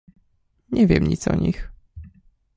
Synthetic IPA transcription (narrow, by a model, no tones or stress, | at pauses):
ɲɛvʲjɛmɲit̪sɔɲix